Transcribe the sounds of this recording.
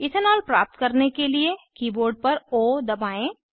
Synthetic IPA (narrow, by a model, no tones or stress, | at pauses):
ɪsənɔːlpɾa̰ːp̚t̪kɐɾnekeliekiːboːɾɖ̚pɐɾoːd̪ɐbaːẽ